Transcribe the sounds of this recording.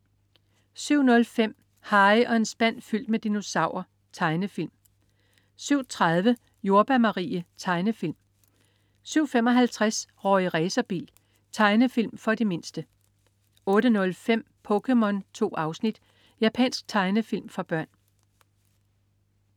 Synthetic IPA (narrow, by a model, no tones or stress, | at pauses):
syʊ̰nɔ̽lfem̰ | hɑ̈ɪɒ̽e̝nsb̥æn̰fyl̰d̥̚med̥ino̝sɑ̈ʊ̰ɐ | t͡sʰɑ̈ɪnəfil̰m | syʊ̰t͡sʰʁaðˠʋə | jo̝ɐb̥æmɑ̈ʁḭːət͡sʰɑ̈ɪnəfil̰m | syʊ̰fem̰ɒ̽ɦælt͡sʰʁasʁɒiʁɛːsɐb̥ḭːl | t͡sʰɑ̈ɪnəfilmfɒ̽d̥e̝me̝nsd̥ə | ɔ̽ːɾ̥ənɔ̽lfem̰ | pʰɔ̽kʰemɒ̽nt͡sʰo̝̰ːɑ̈ʊsnid̥ | jæpʰɛ̰ːnsɡ̥̚t͡sʰɑ̈ɪnəfil̰mfɑ̈b̥ɶɐ̰n